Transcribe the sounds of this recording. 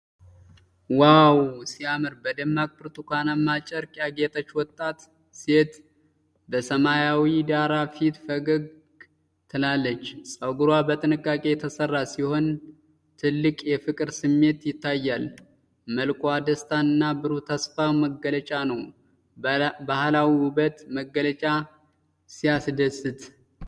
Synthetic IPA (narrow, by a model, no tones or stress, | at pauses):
wawsiamɨɾbəd̪əmːakʼpɨɾt̪ʰʼukʷʰanamːat͡ʃʼəɾkʼaɡe̞t̪ʼət͡ʃːwɔt̪ʼːat̪ | se̞t̪ | bəsəmajawid̪aɾafit̪fəɡɨɡ | t̪ʰɨlalːət͡ʃːsʼəɡuɾwabət̪ʼɨnɨkʼːakʼe̞jɛt̪ʰəsərːasiho̞n | t̪ʰɨlːɨkʼjɛfɨkʼɨɾsɨmːe̞t̪jɪt̪ːajːal | məlkʼwad̪əst̪ʰanɨnːabɨɾot̪ʰəsfaməɡːələt͡ʃʼanəw | bahlawiʊbət̪məɡːələt͡ʃʼa | sijasd̪əsɨt̪